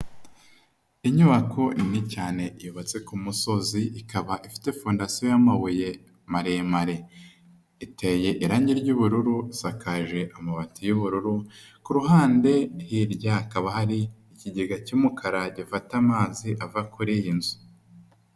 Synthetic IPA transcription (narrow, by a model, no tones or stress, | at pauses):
iɲuβakʰo̞inicaːne̞ʔijuβat͡se̞kumuso̞ziʔikaβaʔifi̥te̞foːndasiojamaβuje | maɾemaɾe̞ | ite̞je̞ʔiɾaːɲɟiɾɟuβuɾuɾuisakʰaʒe̞ʔamaβatijuβuɾuɾu | kuɾuɦaːnde̞hiɾɟakaβahaɾiː | ciɟeɡacumukʰaɾaɟifatamaːziʔavakuɾijinzu̥